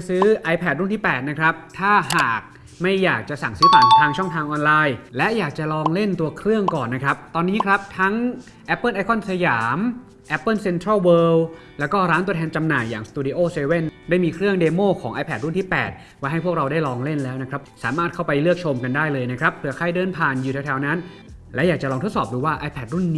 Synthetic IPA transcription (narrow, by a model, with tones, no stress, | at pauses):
sɯː˦˥ʔa˧jpʰɛː˨˩t̪̚ɾu˥˩nt̪ʰiː˥˩pɛː˨˩t̪̚na˦˥kʰɾa˦˥p̚t̪ʰaː˥˩ɦaː˨˩k̚ | ma˥˩jːaː˨˩k̚t͡ɕa˨˩sa˨˩ŋsɯː˦˥taː˨˩nt̪ʰaː˧ŋt͡ɕʰɔ˥˩ŋt̪ʰaː˧ŋʔɔː˧nlaː˧jlɛ˦˥jaː˨˩k̚t͡ɕa˨˩lɔː˧ŋle˥˩nt̪u˧ɐkʰɾɯ˥˩əŋkɔː˨˩nːa˦˥kʰɾa˦˥p̚t̪ɔː˧nːiː˦˥kʰɾa˦˥p̚t̪ʰa˦˥ŋ | ʔɛ˦˥pːɤː˥˩nʔaː˧kʰɔ˥˩nsa˧jaː˩˦m | ʔɛ˦˥pːɤː˥˩nse˧nt̪ʰɾa˥˩wɤː˧w | lɛ˦˥wkɔː˥˩ɾaː˦˥nt̪u˧ət̪ʰɛː˧nt͡ɕa˧mnaː˨˩jːaː˨˩ŋst̪uː˧diː˧ʔoː˥˩seː˧we˥˩ndaː˥˩jmiː˧kʰɾɯ˥˩əŋdeː˧moː˥˩kʰɔː˩˦ŋʔaː˧jpʰɛː˨˩t̪ɾu˥˩nt̪ʰiː˥˩pɛ̰ː˨˩t̪̚ | waː˥˩ɦa˥jpʰu˥˩k̚ɾa˧wdaː˥˩jlɔː˧ŋle˥˩nlɛː˦˥wna˦˥kɾa˦˥p̚saː˩˦maː˥˩t̪̚ʰa˥˩wpa˧jlɯ˥˩ək̚t͡ɕʰo˧mka˧ndaː˥˩jlɤː˧jna˦˥kʰɾa˦˥p̚ʰːɯ˧ɐkʰaː˥˩jdɤː˧˥npʰaː˧˩njuː˨˩ɛ˧wt̪ʰɛ˧wna˦˥n | lɛ˦˥wjaː˨˩k̚t͡ɕa˨lɔː˧ŋt̪ʰo˦˥t̪̚sɔː˨˩p̚duː˧waː˥˩ʔaː˧jpʰɛː˨˩t̪̚ɾu˥˩nː˦˥